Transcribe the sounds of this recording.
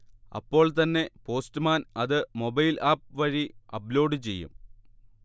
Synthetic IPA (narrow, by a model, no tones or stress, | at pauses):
ɐ̰pːo̞ːɭt̪ɐnːe̞po̞ːstɨmaːnɐðɨmo̞bɐjlʔaːp̚ʋɐɻiɐplo̞ːɖɨt͡ɕe̞̰jːṵm